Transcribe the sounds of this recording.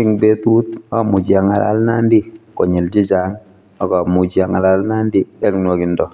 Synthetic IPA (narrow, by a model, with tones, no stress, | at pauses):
ɪ˦ŋbe˦tu˦t̚a˦mʊ˨d͡ʒja˨ŋa̰˨la̰˨˦lna˦ndi˦kɔ˨ɲi˨ld͡ʒi˦d͡ʒa˦ŋ | ɔ˨kɔ˨mu˨d͡ʒja˨ŋa˨la˨lna˦ndi˦ɛ˦knwɔ˨˦ki˨ndɔ˨